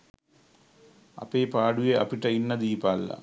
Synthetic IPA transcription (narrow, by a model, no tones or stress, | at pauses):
ɐ̰pːeːpaːɽujeʔɐpːiʈːɐinːɐd̪iːpaːlːɐ̰